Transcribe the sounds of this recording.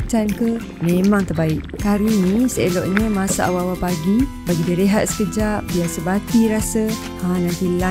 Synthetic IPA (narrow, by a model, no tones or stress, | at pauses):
t͡ʃankə | memaŋt̪ərbaɪʔkaɾinĩsəelɔʔɲəmasa̰ʔawawapaɡi | baɡidəɾeɦat̪̚sə̥kəd͡ʒaʔ̚biasəbat̪iɾasə | hãnãnt̪ila